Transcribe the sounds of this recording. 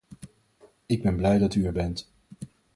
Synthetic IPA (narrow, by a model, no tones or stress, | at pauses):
ɪɡ̚bɛnblɛjdɑtyɛɹbɛnt